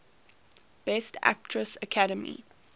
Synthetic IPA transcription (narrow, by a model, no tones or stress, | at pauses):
b̥ɛstʰæ̰k̚tʰɹəsəkʰaɾəmḭ